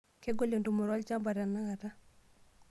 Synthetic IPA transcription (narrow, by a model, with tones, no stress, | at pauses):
ke˦ɡo˦le˨ndu˨mʊ˨ɾɔ˦lt͡ʃa˦mba˨ɾa˨na˦ɡa˨ta˦